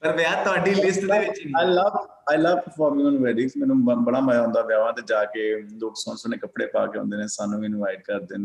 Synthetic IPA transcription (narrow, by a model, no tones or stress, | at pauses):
pəɾʋẽãt̪ʊɦaːɖiːlɪsʈdeːʋɪt͡ʃniːaːjləʋ | aːjləʋpaːbɪŋə̃ːnʋɛːɖɪ̃ŋsmɛːnũːbəɽ̃aːmaːjːɦʊ̃nd̪aːʋjaːʋãːt̪eːd͡ʒaːkeːloːksõːnsoneːkəpɽḛːpa̰ːkeːõ̰ːnd̪eːnẽːsaːnũːɪnʋaːɪʈ̚kəɾd̪eːnẽː